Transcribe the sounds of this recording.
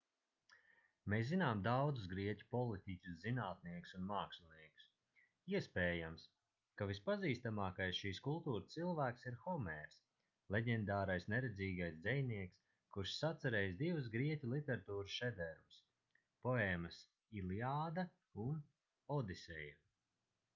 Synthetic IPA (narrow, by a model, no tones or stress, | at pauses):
meːszinaːmd̪awd̪zus̬ɡɾiɛcʲu̥pɔlˠit̪ʲicʲuszinaːt̪niɛku̥sunmaːkslniɛku̥s | iɛspeːjams | kavispaziːst̪amaːkajsʃiːskulˠt̪uːɾst̪silˠvæːksiɾxɔmɛɾs | lˠeɟʲɛnd̪aːɾajsneɾɛd̪ziːɡajsd̪zɛjniɛks | kuɾʃsat̪saɾejsd̪ivus̬ɡɾiɛcʲulˠit̪ɛɾat̪uːɾsʃɛd̪ɛɾmus | pɔeːmɐs | iliaːd̪ɐ | un | ɔd̪isʲɛjɾ